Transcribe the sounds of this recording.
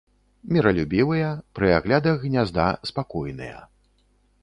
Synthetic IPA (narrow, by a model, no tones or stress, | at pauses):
mʲiɾɐlʲubʲivɨjɐpɾɨaɣlʲad̪ɐɣɣnʲazd̪a̰spakɔjnɨ̰jɐ̰